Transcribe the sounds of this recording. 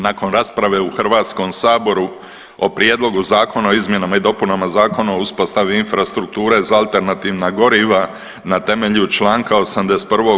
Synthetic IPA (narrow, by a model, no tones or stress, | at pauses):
nako̞nɾaːspɾaʋe̞uxrʋaːt̪sko̞ːmsaːbo̞ɾu | o̞pɾjed̪lˠo̞ɡuzaːko̞naoizmje̞namaid̪o̞punamazaːko̞naouspo̞st̪aʋiinfɾast̪ɾuk̚t̪uːɾe̞zaalˠt̪e̞ɾnat̪iːʋnaɡo̞ɾiʋa | nat̪e̞meʎut͡ʃlˠaːŋkaosamd̪ese̥t̪pr̩ʋo̞